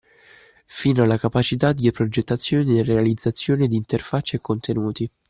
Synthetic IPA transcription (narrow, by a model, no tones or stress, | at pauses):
fiːnoalːakapat͡ʃit̪ad̪ipɾod͡ʒet̪ːat̪sːjoːnid̪irealid̪zːat̪sːjoːned̪iːnt̪erfat͡ʃːeekːont̪ʰenuːt̪i